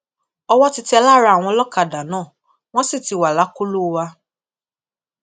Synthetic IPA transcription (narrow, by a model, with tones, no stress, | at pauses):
ɔ˧wɔ˦ti˧˦ti˦ɛ˧la˦˨ɾa˦˧a˨w̃ɔ̃˧lɔ˦ka˨da˨nãː˦˨ | w̃ɔ̃˦si˦˨ti˨˧˨wa˨la˨˦ku˦lu˦˧wa˧